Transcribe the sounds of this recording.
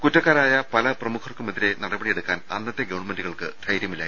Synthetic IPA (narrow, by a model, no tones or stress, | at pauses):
kutːɐkːaːɾaːjɐpɐlɐprɐmukʰɐrkumɐðiɾe̞nɐɽɐbɐɽije̞ɽukːaːnɐ̰nːɐt̪ːe̞ɡɐʋɐɳmenduɣɐɭkɨ̰d̪̥ʱɐjɾjɐmilːa